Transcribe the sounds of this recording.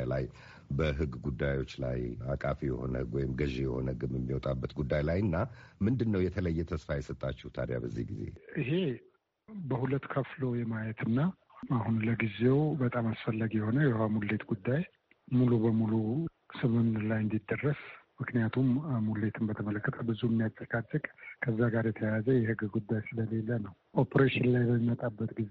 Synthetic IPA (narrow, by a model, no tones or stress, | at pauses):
la̰j | bəɦɨɡːɡud̪ːajo̞t͡ʃːla̰jakʼafijɛ̰ho̞̰nə̰ɨɡwɔjɪmɡəʒejɛho̞̰nəhɨɡɨmjɛmːiwɔt̪ʼabːət̪ɡud̪ːajlajɨnːamɨnd̪ɨnːəwjɛt̪ʰələjːɛt̪ʰəsfajɛsət̪ʼːat͡ʃːɪhut̪ʰa̰d̪ja̰bəzːḭhɡize̞̰ʔiɦe̞ | bəhulət̪ːkʰəflo̞jɛmajɛt̪ɨnːa | aɦunləɡize̞wbət̪ʼamasfəlːəɡjɛho̞nəjɛhamulːe̞t̪ɡud̪ːaj | mulubəmulu | sɨmɨnlajɨnd̪id̪ːərːəsmɨknijat̪ʰummulːe̞t̪ʰɨnbət̪ʰəmələkːət̪ʰəbɨzuɛmːijat͡ʃʼːəkʼat͡ʃʼːɨkʼkʰəzːaɡaɾjɛt̪ʰəjazəjɛɦɨɡɡud̪ːajsɨləle̞lːənəw | ʔo̞pʰɾeʃɪnlajbəmimət̪ʼabːət̪ɡiz